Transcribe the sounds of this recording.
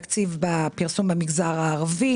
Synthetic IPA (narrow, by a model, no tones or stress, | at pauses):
kt͡sivbapiʁsumbamiɡzaʁaːʁvi